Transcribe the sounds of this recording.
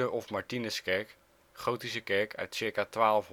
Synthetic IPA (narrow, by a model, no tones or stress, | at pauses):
əɹɔfmaɹtinəskɛɹk | χowtisəkɛɹkʰœ̰ɥtsɪɹkaːtʋaːləfɦ